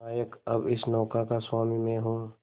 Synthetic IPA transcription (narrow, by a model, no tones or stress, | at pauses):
aːjəkɐbɪsnɔːkakaswaːmimẽɦõː